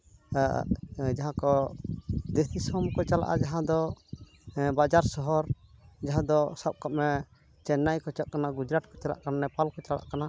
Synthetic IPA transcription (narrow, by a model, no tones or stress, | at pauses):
d͡ʒaɦãkɔ | d̪esisɔmkɔt͡ʃala̰ʔa̰d͡ʒaɦãd̪ɔ | bad͡ʒaɾsɔɦɔɾd͡ʒaɦãd̪ɔsap̚kap̚mɛ | t͡ʃɛnːajkɔt͡ʃaʔkanaɡud͡ʒɾaʈkɔt͡ʃala̰ʔkananɛpalkɔt͡ʃala̰ʔkana